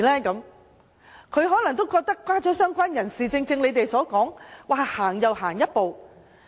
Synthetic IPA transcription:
lɛː˥kɐ˨˧˥m | kʰɵ˨˧ɥɦɔː˨˥lɐ˨˩ŋt̪o˥wkɔː˧k̚t̪ɐ˥kːwaː˥t͡sɔː˨˥sœː˥ŋkʷaː˥njɐ˨˩nsiː˨t͡sɪ˧ŋt͡sɪ˧ŋle˨˧jt̪e˨jsɔː˨˥kɔː˨˥ŋwaː˨˩haː˨˩ŋjɐ˨˩wɦaː˨˩ŋjɐ˥t̚po˨w

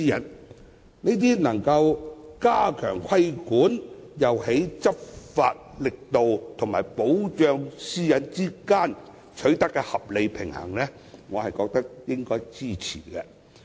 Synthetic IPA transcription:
i˧jɐ̰˨˩n | ni˥t̪̬iː˥nɐ˨˩ŋkɐ˧wkaː˥kʰœ̰ː˨˩ŋkʰɐ˥jkuː˨˥njɐ˨whe˨˥jt͡sɐ˥p̚fa̰ː˧t̚lɪ˨k̚t̪o˨wt̪ʰo˨˩ŋmaː˨˩jpo˨˥wt͡ʃœː˧ŋsiː˥jɐ˨˥nt͡siː˥kaː˥n | t͡ʃʰɵ˨˥ɥt̪ɐ˥kːɛː˧hɐ˨p̚le˨˧jpʰɪ˨˩ŋhɐ̰˨˩ŋlɛː˥ | ŋɔː˨˧hɐ˨jkɔː˧k̚t̪ɐ˥k̚jɪ˥ŋkɔː˥jt͡siː˥˩t͡sʰḭː˨˩kɛ˧

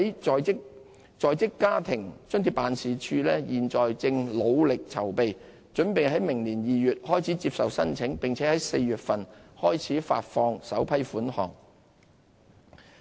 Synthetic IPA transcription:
ɐ˨˥jɔː˨jɪ˥k̚ | t͡sɔː˨jt͡sɪ˥kːaː˥t̪ʰɪ˨˩ŋt͡sœ˥ŋt̪i˨˩pːaː˨nsiː˨t͡ʃʰyː˧lɛː˥jiː˨˩nt͡sɔː˨jt͡sɪ˧ŋlo˨˧wlɪ˨k̚t͡sʰɐ˨˩wpe˨j | t͡ʃɵ˨˥npe˨jɦɐ˨˥jmɪ˨˩ŋliː˨˩njiː˨jyː˨t̚hɔː˥jt͡sʰiː˨˥t͡siː˧p̚sɐ˨wsɐ˥nt͡sʰɪ˨˥ŋpɪ˨ŋt͡sʰɛː˨˥hɐ˨˦jse˧jɥyː˨t̚fɐ˨nhɔː˥jt͡sʰiː˨˥fa̰ː˧t̚fɔː˧ŋsɐ˨˥wpʰɐ˥jfuː˨˥nhɔ̰ː˨˩ŋ

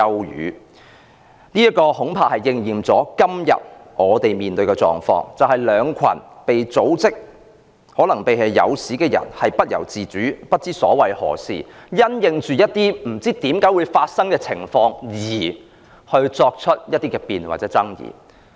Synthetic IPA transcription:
ɐ˧wjy̰ː˨˧ | niː˥jɐ˥tkɔː˧hʊ˨˥ŋpʰaː˨hɐ˨˩jːɪ˧ŋjiː˨˩mt͡sɔː˨˥kɐ˥mjɐ̰˨t̚ʔɔː˨˧t̪e˨jmiː˨nt̪ɵ˧ɥkɛː˧t͡sɔ̰ː˨˩ŋfɔ̰ː˧˥ŋt͡sɐ˨whɐ˨jlœː˨˧ŋkʷʰɐ̰˨˩npe˨jt͡so˨˥wt͡sɪ˥k̚ | hɔː˨˥lɐ˨˩ŋpe˨jɦɐ˨˧jjɐ̰˨˧wsiː˨˥kɛː˧jɐ̰˨˩nhɐ˨jpɐ˥t̚jɐ̰˨˩wt͡siː˨˩t͡syː˨˥pɐ˥t̚t͡siː˥sɔ̰ː˨˥wɐ˨jhɔ̰ː˨˩siː˨jɐ˥njɪ˧ŋt͡ʃyː˨˧jɐ˥t̚t̪iː˥m̩˨˩t͡siː˥t̪iː˨˥mkaː˨˥jwuː˨˧jfaː˧t̚sɐ˥ŋkɛː˧t͡sʰɪ˨˩ŋfɔː˧ŋjiː˨˩ | hɵ˧ɥt͡sɔː˧k̚t͡ʃʰɵ˥t̚jɐ˥t̚t̪iː˥kɛː˧piː˨nwaː˨t̚t͡sɛː˨˥t͡sɐ˥ŋjḭː˨

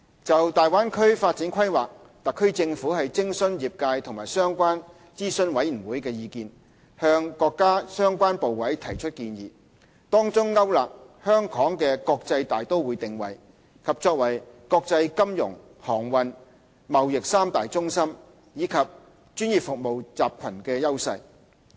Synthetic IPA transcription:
t͡sɐ˨wt̪aː˨jwaː˥nkʰɵ˥ɥfaː˧t̚t͡siː˨˥nkʰɐ˥jwaː˨k̚ | t̪ɐ˨kʰːɵ˥ɥt͡sɪ˧ŋfuː˨˥hɐ˨jt͡sɪ˥ŋsɵ˥njiː˨p̚kaː˧jt̪ʰʊ˨˩ŋmaː˨˩jsœː˥ŋkʷaː˥n | t͡siː˥sɵ˧nwɐ˨˥jji˨˩wuː˨˥jkɛː˧jiː˧kiː˧n | hœː˧ŋkɔː˧kːaː˥sœː˥ŋkʷaː˥npo˨wwɐ˨˥jt̪ʰɐ˨˩jt͡ʃʰɵ˥t̚kiː˧njḭː˨ | t̪ɔː˥ŋt͡sʊ˥ŋːɐ˥wlaː˨k̚ | hœː˥ŋkʰɔː˨˥ŋkɛː˧kɔː˧k̚t͡sɐ˧jt̪aː˨jt̪o˥wwuː˨˧jt̪ɪ˨ŋwɐ̰˨˩j | kʰɐ˨p̚t͡ʃɔː˧k̚wɐ˨˩jkɔː˧k̚t͡sɐ˧jkɐ˥mjʊ̰˨˩ŋ | hɔː˨˩ŋwɐ˨n | mɐ˨wjɪ˨k̚saː˥mt̪aː˨jt͡sʊ˥ŋsɐ˥m | jiː˨˧kʰɐ˨p̚ | t͡ʃyː˥njiː˨˩p̚fʊ˨k̚mo˨wt͡saː˨p̚kʰɐ˨˩nkɛː˧jɐ˥wsɐ˧j

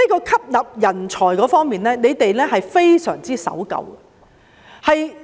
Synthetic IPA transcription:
iː˥kɔː˧kʰɐ˥p̚lɐ˨p̚jɐ˨˩nt͡ʃʰɔː˨˩jkɔː˨˧˥fɔː˥ŋmiː˨nlɛː˥ne˨˧jt̪e˨jlɛː˥ɦɐ˨jfe˥jsœ̰ː˨˩ŋt͡siː˥sɐ̰˨˥wkɐ̰˨˧w | hɐ˨j

